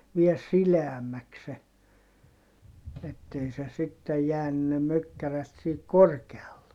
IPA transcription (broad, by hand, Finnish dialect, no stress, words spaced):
ʋiel sileæmːæks se etːei se sitːej jæːny ne møkːæræt sihik korkeɑlːe